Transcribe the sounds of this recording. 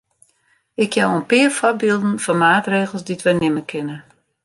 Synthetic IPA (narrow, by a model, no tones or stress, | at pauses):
ɪkʰjɛwənpɪərfɔbiːlˠdn̩fɔnmaːtreːɣəlˠsditʋɛnɪməkʰɪnə